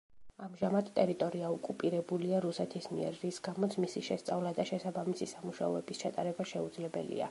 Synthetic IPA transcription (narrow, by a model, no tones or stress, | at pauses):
amʒamad̪t̪ʼɛɾit̪ʼɔɾiaɔkʼupʼiɾɛbuliaɾusɛt̪ʰismiɛ̰ɾːisɡamɔt̪sʰmisiʃɛst̪sʼavlad̪aʃɛsabamisisamuʃa̰ɔɛbist͡ʃʰat̪ʼaɾɛbaʃɛud̪zlɛbɛ̰lḭa̰